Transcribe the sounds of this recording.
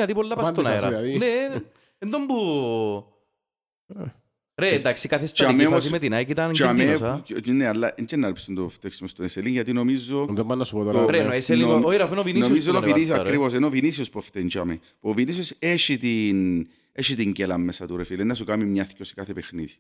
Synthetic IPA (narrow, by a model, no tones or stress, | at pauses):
nɐt̪ipolːɐpɐsonɐɾɐ̰ine | end̪ombu | ɾend̪aksikɐθestt͡ʃameomos̬imet̪inɐkit̪ɐnt͡ʃamesɐnealːɐʔind͡ʒenːɐɾipist̪und̪oft̪eksimost̪oeseliŋʝɐt̪inomizːoðombɐnːɐsu̥pot̪ooɾenoeselioiɾɐfinovininoizonovinisɐkɾivosenovinisiospoft̪ent͡ʃɐme | puovinisioseʃit̪in | eʃit̪iɲɟelɐmːesɐt̪uɾefilenːɐsukamimɲɐθcose̥kaθepexniði